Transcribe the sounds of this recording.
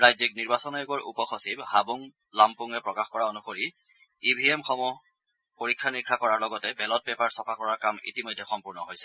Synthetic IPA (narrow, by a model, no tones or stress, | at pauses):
ɹajzik̚niɹbasɔnɔeɡɔɹʔṵpɔxɔsibhabuŋ | lampuŋɛpɹɔkaxkɔɹaonuxoɹi | ibʱiemxɔmɔ | poɹikʰːanikʰɹakɔɹaɹlɔɡɔtɛbɛlɔt̚pɛpaɹsɔpʰakɔɹaɹkamḭtimɔjdʱːɛxɔmpuɹnɔɦojsɛ̥